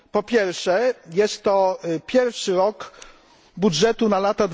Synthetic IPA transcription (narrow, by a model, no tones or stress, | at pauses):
pɔpʲjɛɾfʂɛjɛst̪ːɔpʲjɛɾfʂɘɾɔk | budʐɛt̪unalat̪ad̪